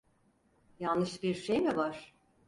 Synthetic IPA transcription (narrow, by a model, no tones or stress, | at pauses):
janːɯʃbiɾʃejmivaɾ̥